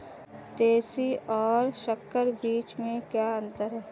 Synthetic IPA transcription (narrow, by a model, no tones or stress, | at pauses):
t̪eːsiʔɔːɾʃəkːəɾbiːt͡ʃmẽkjaːə̃nt̪əɾɦɛː